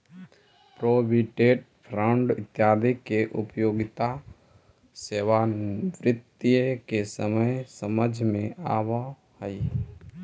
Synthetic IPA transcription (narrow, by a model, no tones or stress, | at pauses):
pɾoːbiʈeːʈ̚ | pʰɾãɳɖɪt̪jaːd̪ikeʔʊpjoːɡɪt̪a | seːʋaʋɾɪt̪ːijkesəməjsəməd͡ʒʱmẽaːʋa | həi